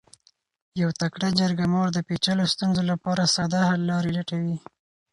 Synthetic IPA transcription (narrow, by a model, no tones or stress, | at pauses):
jawt̪akɽad͡ʒaɾɡamɑɾd̪əpet͡ʃalost̪unzolapɑɾasɑd̪ahalːɑɾilaʈawi